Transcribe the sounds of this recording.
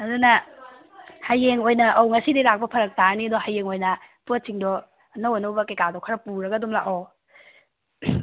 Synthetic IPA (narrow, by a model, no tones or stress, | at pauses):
ɐdunɐ | hajeŋojnɐʔɐwŋɐsidiɾak̚pɐpʰɐɾɐk̚taɾnidɔhajeŋojnɐpuɐt͡ʃiŋdɔ | ɐnɐwanɐwbɐkejkadɔkʰɐɾɐpuɾɐɡɐdumlaʔo